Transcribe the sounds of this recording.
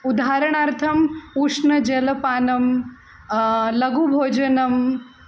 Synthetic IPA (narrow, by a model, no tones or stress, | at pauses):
ud̪aːɾɐɳ̃aɾt̪ʰɐmuʂnɐd͡ʒɐlɐpaːnɐm | lɐɡubʱoːd͡ʒɐnɐm